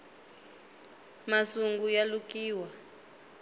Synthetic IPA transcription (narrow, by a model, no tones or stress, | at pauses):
masuŋɡujalukʼiːwa